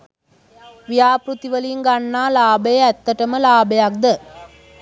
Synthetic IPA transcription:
ʋijaːpɾut̪iʋɐliŋɡɐɳːaːlaːbɐjɐɛt̪ːɐʈɐmɐlaːbɐjak̚d̪ɐ

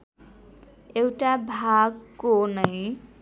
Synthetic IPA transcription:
ewʈabʱaɡkːonʌj

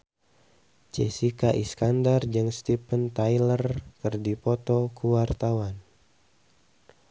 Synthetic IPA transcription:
t͡ʃɛsikaʔiskandard͡ʒɨŋst̪ipənt̪ajlərkɨrdipɔt̪ɔkuwart̪awan

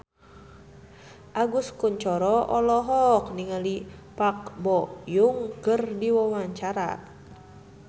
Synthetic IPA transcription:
ʔaɡuskuɲt͡ʃɔɾɔʔɔlɔɦɔkniŋalipak̚bɔjuŋkərdiwɔmaɲt͡ʃaɾa̰

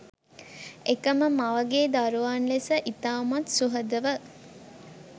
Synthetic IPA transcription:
ekəməmɐʋɐɡeːd̪aɾuʋaːnlesəʔit̪aːmɐt̪suɦɐd̪əʋə

